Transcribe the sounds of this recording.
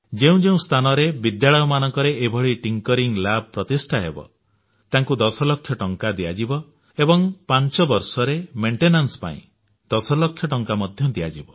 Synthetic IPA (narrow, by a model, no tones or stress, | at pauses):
d͡ʒeũd͡ʒeũst̪ʰanɔɾebid̪jaɭɔjɔmanɔŋkɔɾeʔebʱɔɭiʈiŋkɔɾiŋlab̚ʱɔpɾɔt̪isʈʰaɦebɔ̰ | t̪aŋkud̪ɔsɔlɔkʰːjɔʈɔŋkad̪iad͡ʒibɔ | ebɔŋpant͡ʃɔbɔɾsɔɾemeɳʈenansɔ̥pa̰ḭ̃ | d̪̥ɔsɔlɔkʰjɔʈɔŋkamɔd̪ʱjɔd̪ia̰d͡ʒibɔ